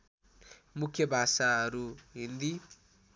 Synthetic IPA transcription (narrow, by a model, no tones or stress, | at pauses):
mukʰjʌbʱasaɦʌɾuɦind̪i